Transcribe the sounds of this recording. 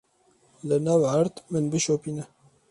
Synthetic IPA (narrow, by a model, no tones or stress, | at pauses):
lɨnɑːwʕaɾt̪mɨnbɨʃoːpiːnɛ